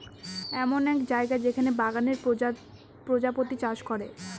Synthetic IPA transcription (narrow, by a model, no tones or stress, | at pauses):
ɛmonɛkd͡ʑaeɡaed͡ʑekʰanebaɡaneɾ | pɾod͡ʑapot̪it͡ɕaʃkoɾe